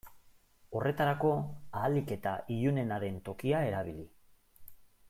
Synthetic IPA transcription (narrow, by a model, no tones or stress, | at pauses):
o̞rʔe̞t̪aɾako̞aːlike̞t̪aʔiʎune̞naɾe̞nt̪o̞kiae̞ɾaβ̞ili